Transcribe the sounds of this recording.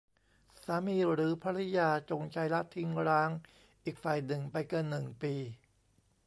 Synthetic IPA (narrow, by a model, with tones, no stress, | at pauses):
saː˩˦miː˧ɾɯː˩˦pʰa˧˥ɾi˦˥jaː˧t͡ɕo˧ŋt͡ɕʰa˦˥jla˦˥t̪ʰːi˦˥ŋɾaː˦˥ŋ | ʔiː˨˩k̚faː˨˩jnɯ˨˩ŋpa˧jkɤː˧nːɯ˨˩ŋpiː˧